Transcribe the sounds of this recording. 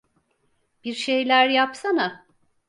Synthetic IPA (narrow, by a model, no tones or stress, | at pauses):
b̥iɾʃe̞jlʲæɾjapsana